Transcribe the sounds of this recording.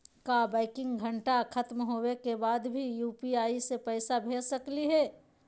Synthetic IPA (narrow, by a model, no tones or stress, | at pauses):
kabaːɪkɪ̃ŋɡɡʱɐɳʈakʰɐt̪mɦoːwekebaːd̪bʱijuːpiaːisepɛɪsabʱeːsɐkliɦɛː